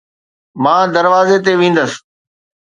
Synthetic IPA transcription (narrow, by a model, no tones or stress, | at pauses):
mãːd̪əɾʋaːzet̪eʋĩːn̆d̪əs